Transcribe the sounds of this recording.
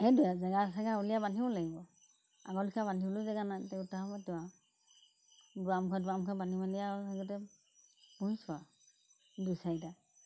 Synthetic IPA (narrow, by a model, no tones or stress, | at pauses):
ɛdujazɛɡasaɡaɔlijabandibɔlaɡibɔ | a̰ɡɔlikʰabandʱibɔlʊzɛɡanatɛutahɔmɔtuwa | duamkʰadamkʰabanimaniasaɡɔtɛ | muswa | dusajta